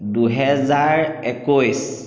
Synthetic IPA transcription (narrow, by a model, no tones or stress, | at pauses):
duɦɛzaɹɛkojs